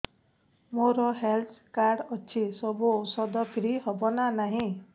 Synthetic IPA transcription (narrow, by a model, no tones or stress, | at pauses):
moɾɔɦelt̪ʰkaɾɖɔt͡ʃʰisɔbusɔd̪ɔkɾiɦɔbɔnanaɦĩ